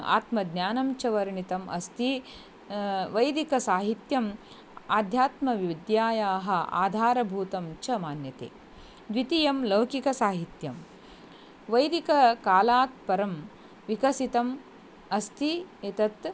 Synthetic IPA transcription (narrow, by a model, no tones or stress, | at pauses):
a̰ːt̪mɐd̪nʲjaːnɐmt͡ʃɐʋɐɾɳit̪ɐmʔɐ̰st̪i | ʋɐjd̪ikɐsaːɦit̪jɐm | aːd̪ʱjaːt̪mɐʋid̪jaːjaːɦɐ̆a̰ːd̪ʱaːɾɐbʱuːt̪ɐmt͡ʃɐmaːnjɐt̪ḛː | d̪ʋit̪ijɐmlɐwkikɐsaːɦit̪jɐm | ʋɐjd̪ikɐkaːlaːt̪̚pɐɾɐm | ʋikɐsit̪ɐm | ɐst̪ʰiet̪ɐt̪